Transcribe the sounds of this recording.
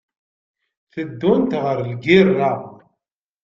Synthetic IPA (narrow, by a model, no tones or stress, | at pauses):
θəd̪ːʊnt̪ʁəɾlɡirːa